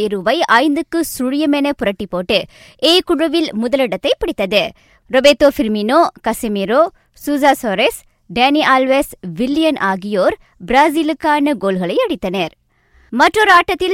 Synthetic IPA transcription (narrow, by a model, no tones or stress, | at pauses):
ɪɾɯʋɐɪɐɪnd̪ɯkːɯsʊɻɪjɐmɛnɐpʊɾɐʈːipːoːʈːɯ | ʔeːkʊɻɐʋɪlmʊðɐlɪɽɐt̪ːɐɪpːɪɽɪt̪ːɐðɯ | ɾɔbeːt̪ːoːfɪɾminoːkɐsɪmiɾoː | suːzaːsoɾes | ɖeːniʔaːlʋesʋɪlːɪjɐnʔaːɣɪjoːɾ | bɾaːzilɯkːaːnɐɡoːlɣɐɭɐɪɐɽɪt̪ːɐnɐɾ | mɐʈrɔɾaːʈːɐt̪ːɪl